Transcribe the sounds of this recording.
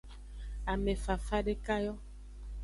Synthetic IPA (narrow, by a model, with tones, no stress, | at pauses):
a˨me˨fa˨fa˦ɖe˦ka˦jɔ˦